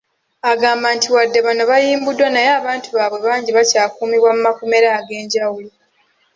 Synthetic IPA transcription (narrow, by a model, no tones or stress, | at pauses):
aɡaːmbantʰiwadːe̞βano̞βajiːmbudwanajeːβaːntʰuβaβwe̞βaːɲɟiβacaːkuːmiβwamumakome̞ɾaːɡe̞ːɲɟawulo